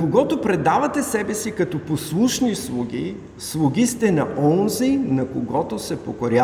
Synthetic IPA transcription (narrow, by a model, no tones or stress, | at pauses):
koɡɔt̪opɾɛd̪avɐt̪ɛsɛbɛsikɐt̪ɔposlˠuʃnislˠuɡʲi | slˠuɡ̟ʲist̪ɛnɐʔɔnzijnɐkoɡɔt̪osɛpokoɾʲa